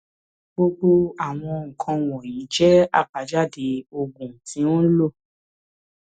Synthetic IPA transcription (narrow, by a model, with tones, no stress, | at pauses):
ɡ͡bo˧ɡ͡bo˧a˨w̃ɔ̃˧ŋ̩˨kʰã˧w̃ɔ̃˨ji˨˦d͡ʒɛ˦a̰˦˨k͡pa˨˦d͡ʒa˦˨de˧o˧ɡũ˨tĩ˨˦õ˦lo˦˨